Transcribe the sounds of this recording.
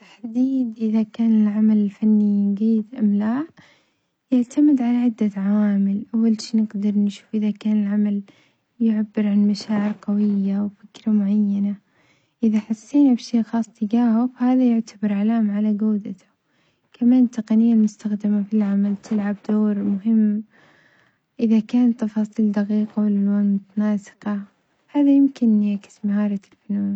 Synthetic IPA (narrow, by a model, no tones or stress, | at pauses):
t̪ḁħd̪iːd̪ʔɪðakaːnɪlʕamalɪlfanːiɪɡiːd̪ʔamlaːʕ | jaʕt̪ʰamɪd̪ʕalaʕɪd̪ːaʕawaːmɪlʔawːalʃiːnɪɡd̪ɑɾˤnʃuːfʔɪðakaːnɪlʕamal | jʊʕabːɪɾʕanmaʃaːʕɪɾqɑwɪjːawfɪkɾamʊʕajːana | ʔɪðaħasˤːiːnabʃeːʔxɑːsˤt̪ɪɡaːhʊfahaːðajʊʕt̪ʰabɑɾˤʕalaːmʕalaɡaːd̪at̪ʊ̥ | kʰamaːnt̪ːɑqɑnɪjːalmʊst̪axd̪ɪmafilʕamalt̪ʰɪlʕab̚d̪oːɾmʊɦɪmː | ʔɪðakaːnt̪ːɑfɑːsˤiːld̪ɑqiːqawɪlalwaːnmʊt̪anaːsɪ̥qɑ | haːðajɪmkɪnːjakɪ̥smahɑːɾˤɑlfɪluːn